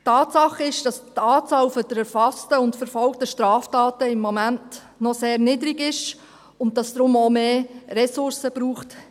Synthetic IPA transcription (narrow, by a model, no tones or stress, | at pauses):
tʰɑːtsɑχɪʃd̥ɑstɑːt͡sɑːlfɔd̥əɾɛɾfɑstəʊntfəɾfɔlk̚təʃtɾɑːftɑːtəɪmːɔmænt | nɔseːɾnɪdəɾiɡɪʃ | ʊn̚d̥ɑsd̥̪ɾʊmomeːɾɛsʊɾsəb̥ɾuːχt